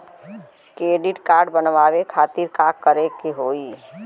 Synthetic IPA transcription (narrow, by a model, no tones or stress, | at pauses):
kɾeːɖɪʈkaːɾɖbənʋaːʋekʰaːt̪iɾkaːkːəɾekeɦoːi